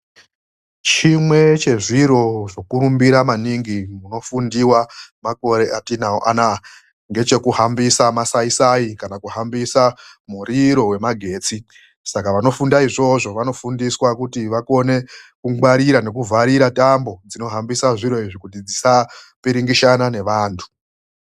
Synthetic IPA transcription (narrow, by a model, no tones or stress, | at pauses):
t͡ʃimwe̞t͡ʃe̞ʐiɾo̞ʐo̞kuɾumbiɾamaniŋɡimuno̞fundiwamako̞ɾe̞ʔatinaoʔa̰na | ŋɡe̞t͡ʃe̞kuɦambisamasaisaikanakuɦambisamuɾiɾo̞we̞maɡʱe̞ːt͡si | sakaʋano̞fundaiʐo̞ʐo̞ʋano̞fundiswakutiʋako̞ne̞kuɡwaɾiɾane̞kuvʱaɾiɾatambo̞d͡zino̞ɦambisaʐiɾo̞iʐikutid͡zisa | piɾiŋɡiʃanane̞ʋaːntʰu̥